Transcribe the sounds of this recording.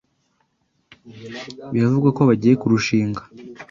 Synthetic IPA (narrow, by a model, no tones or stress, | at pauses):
βiɾavuɡako̞βaɟiːje̞kuɾuʃiːŋɡḁ